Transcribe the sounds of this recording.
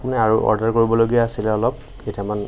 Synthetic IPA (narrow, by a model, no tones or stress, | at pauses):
pʊnɛaɹuʔɔ̰ɹdaɹkoɹibɔloɡijaːsilɛɔlɔp̚ | ketʰaman